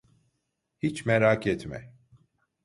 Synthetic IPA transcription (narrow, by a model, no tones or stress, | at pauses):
hit͡ʃmɛɾakʰɛt̪mɛ̰